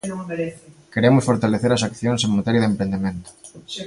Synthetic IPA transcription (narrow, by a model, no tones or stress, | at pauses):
keɾemʊsfoɾt̪aleθeɾɐsakθjoŋsẽŋmat̪eɾjɐðempɾẽnd̪emẽnt̪ʊ̥